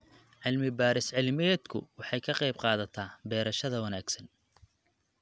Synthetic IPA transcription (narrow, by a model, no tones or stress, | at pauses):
ʕɪlmɪbaːɾɪsʕɪlmɪd̪kʰʊ̰wɑħɑjkʰɐqɑjb̚qɑːðɐt̪ʰaːbɛːɾɐʃɐðɐwɐnaːɡsɐn